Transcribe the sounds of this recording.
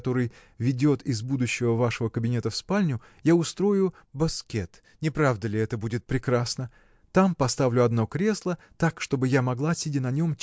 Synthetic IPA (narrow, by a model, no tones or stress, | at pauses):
t̪o̞ɾɨjvʲɪdʲo̞t̪ɪzbud̪ʊɕːɪvəvaʂəvəkəbʲɪnʲe̞t̪əfspalʲnʲʊ | jaʊst̪ɾo̞jʊ | bɐskʲe̞t̪ | nʲɪpɾavd̪əlʲɪɛt̪əbudʲɪt̪̚pɾʲɪkɾasnə | t̪ampɐst̪avlʲʊɐd̪no̞kɾʲe̞slˠə | t̪akʂt̪o̞bɨjamɐɡlˠasʲidʲɪnɐnʲo̞m